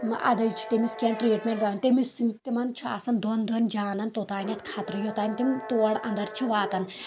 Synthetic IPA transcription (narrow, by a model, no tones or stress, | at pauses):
ʔɐ̰d̪ɐjt͡ʃʰi̥t̪emiskʲeːnʈɾeːʈmeɳʈɾɐnt̪emisint̪imɐnt͡ʃʰia̰sɐnd̪ʱond̪ʱɐnd͡ʒaːnɐnt̪ot̪aːnʲɐt̪ʰkʰaːt̪ɾijot̪aːmʲt̪imʲt̪oːɽɐ̰̃nd̪ɐɾt͡ʃʰiʋaːt̪ɐn